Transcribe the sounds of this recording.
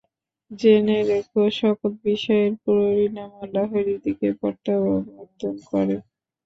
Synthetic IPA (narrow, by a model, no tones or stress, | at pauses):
d͡ʑeneɾekoʃɔkot̪̚biʃɔeɾpuɾoɾinamalaɦeɾid̪ikepɔɾt̪ababmod̪ʱonkɔ̰ɾe